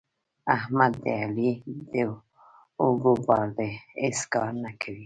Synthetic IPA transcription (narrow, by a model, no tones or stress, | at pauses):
ahmad̪ːealid̪e | oɡobɑɾd̪eeskɑɾnakʰawi